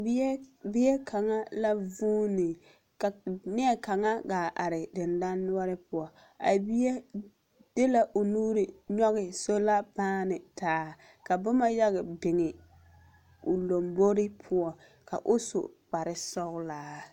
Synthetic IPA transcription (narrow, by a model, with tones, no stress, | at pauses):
bɪ˦ɛ˦kʰa˨ŋa˦la˦vuː˦nɪ˨ | kni˦ɛ˦ka˨ŋa˦ɡaː˨ʔa˨ɾɪ˨dɪ˨nda˦nːʊ˦ɔ˦ɾɪ˦pʊ˨ɔ˨ | a̰˨bi˦e˦ | dɪ˦la˨ʔʊ˨nuː˦ɾɪ˨ɲɔ˦ɣɪ˨so˦la˦baː˦nɪ˨taː˨˦ | ka˨bʊ˦ma˦ja˦ɣɪ˨bɪ˨ŋɪ˨ | ʊ˨lo˨mbo˦ɾɪ˦pʰʊ˦ɔ˨ | ka̰˨ʔʊ˦so̰˨k͡pa˨ɾɪ˨sɔ˦ɣʊ˦laː˨˦